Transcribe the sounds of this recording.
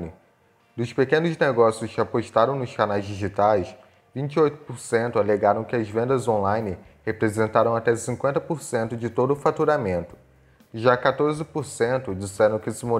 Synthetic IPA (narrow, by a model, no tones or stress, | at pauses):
nɪ | d̪ʊspekẽnʊzneɡɔsjʊskɪapoʃt̪aɾɐ̃w̃nʊʃkanajzd͡ʒiʒit̪ajs | vĩɲt͡ʃɪojt̪ʊ̥poɾsẽnt̪ʊaleɡaɾɐ̃w̃kɪɐzvẽnd̪ɐzõlajnɪ | hepɾezẽnt̪aɾɐ̃w̃at̪ɛsĩŋkʷwẽnt̪ɐpoɾsẽnt̪ʊd͡ʒɪt̪od̪ʊːfat̪uɾamẽnt̪ʊ̥ | ʒakat̪oɾzɪpoɾsẽnt̪ʊd͡ʒisɛɾɐ̃w̃kɪsɪmo